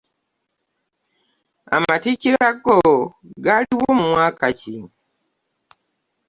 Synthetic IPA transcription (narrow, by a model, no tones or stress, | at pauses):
a̰maticiɾaɡoɡaliɣoːmumwaːkaci